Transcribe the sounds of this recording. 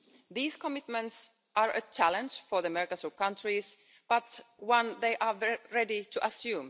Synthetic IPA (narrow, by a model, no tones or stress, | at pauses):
ðiːskɔmɪt̪mə̃nts | ʔaɹət͡ʃʰælə̃nd͡ʒfɔ˞ðəmɛɹkəsukʌ̃ntʰɹis | b̥ʌt̪wʌ̃nðeɪʔɑɹɛditʰuʔəsjʉ̃ːm